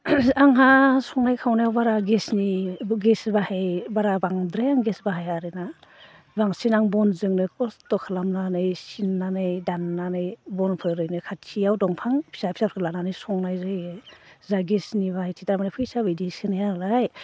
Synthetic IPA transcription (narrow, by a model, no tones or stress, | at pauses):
aŋɦasɔŋnajkʰawnajawbaɾaɡesniɡesbahejbaɾabaŋdɾejaŋɡesbaɦajaɾɯna | baŋsinaŋbɔnzɯŋnɯkɔstɔkʰalamnanɯjsinːanɯjdanːanɯjbɔnpʰɯjɾɯjnɯkʰat͡ʃʰijawdɔŋpʰaŋpʰi̥sapʰi̥sap̚ʰɾkʰɯlananɯjsɔŋnajzɯj | zaɡesniβahajtʰitaɾamanajpʰɯjsabɯjdisɯnajaɾlaj